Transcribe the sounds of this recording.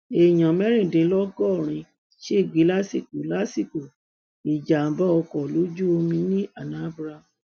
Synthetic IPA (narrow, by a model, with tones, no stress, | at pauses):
e˨j̃ã˨mɛ˦ɾ̃ĩ˦˨dĩ˨˦lɔ˦ɡɔ˦˨ɾ̃ĩ˧ | ʃe˦˨ɡi˨˦la˦si˦˨ku˨la˦si˦˨ku˨ | i˨d͡ʒa˨˦ba˦ɔ˧kɔ˨lo˨˦d͡ʒu˦o˧mĩ˧nĩ˦a˦˨nã˨˦bɾa˧˨